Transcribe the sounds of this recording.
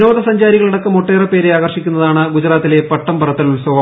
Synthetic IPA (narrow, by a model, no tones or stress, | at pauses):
no̞ːðɐsɐɲd͡ʑaːɾiɣɐɭiɽɐkːɐmoʈːeːrɐpe̞ːɾeaːɡɐrʂikʲːunːɐðaːɳɨɡud͡ʑɐɾaːt̪ːile̞pɐʈːɐmpɐɾɐt̪ːɐlulsɐʋɐ